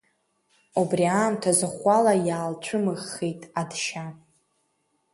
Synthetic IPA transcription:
ubriaːmtʰazɨχʷalajaːlt͡ɕʷʰʊmɨʁejtʼadʃa

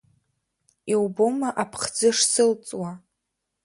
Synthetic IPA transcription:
iwbomaʔapʰχd͡zɨʂsɨlt͡sʼwa

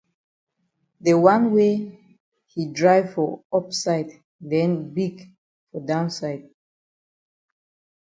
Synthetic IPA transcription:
dəwãnwe | hidɹaɪvfɔɔpsaɪd | dɛ̃nbiɡ | fɔdãʊ̃nsaɪd̚

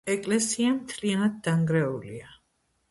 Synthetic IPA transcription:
ɛkʼlɛsiamt̪ʰlianad̪̚d̪aŋɡɾɛulḭa

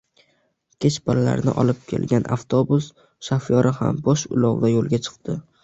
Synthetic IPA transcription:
kʲʰet͡ʃballa̰ɾnɪ̰ʔɒ̰lˠɪp̚kʲʰe̞̰lɡʲanʔa̰ft̪ʰobʊs | ʃafjɒɾʔɪha̰mbɒʃʊ̰lɒwd̪ajolˠɡʲat͡ʃʰɨ̥qd̪ɪ

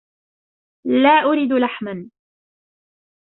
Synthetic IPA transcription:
laːʔʊɾid̪laħman

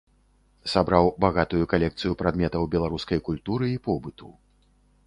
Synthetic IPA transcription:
sabɾawbaɣat̪ujukalʲɛk̚t̪sɨjupɾad̪mʲɛt̪ɐwbʲɛlˠaɾuskɐjkulʲt̪uɾɨipɔbɨt̪ṵ

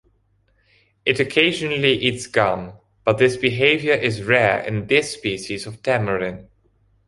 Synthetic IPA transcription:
ʔɨɾɨkʰeɪʒɨnəl̩iʔitsɡ̥ʌ̃n | b̥ʌt̪̚ðɪsb̥ɨɦeɪvjə˞ʔɪzɹɛɹɪ̰̃nðɪspiʃizʌv̥tʰæmə˞ɪ̃n

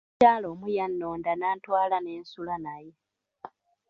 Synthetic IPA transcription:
aːlo̞ːmujanːo̞ːndanaːtwaːlane̞ːnsulanaje

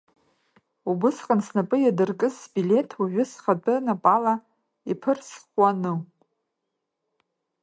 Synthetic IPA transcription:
ubɨsqʼansnapʼɨjadɨrkʼɨsbilʲe̞tʰuʒʷᶣʊsχatʼɨnapʼala | ipʰɨrsχʷanɨ

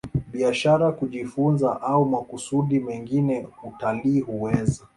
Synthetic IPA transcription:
ɓiaʃaɾakuʄifunzaʔaumakusuɗimɛŋɡinɛutaliːhuwɛza

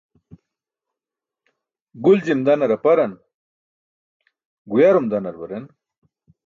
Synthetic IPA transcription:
ɡuld͡ʑimd̪ɐnɐɾɐpɐɾɐn | ɡujaɾumd̪anɐɾbɐɾen

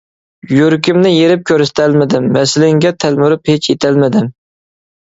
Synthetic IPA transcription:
joɾkʲɪmnɪjeɾɪp̚kʲʰøɾɪst̪ʰælmɪd̪ɪmːɛsɪlɪŋɡʲɛt̪ʰælmyɾɪphet͡ʃʰet̪ʰælmɪd̪ɪm

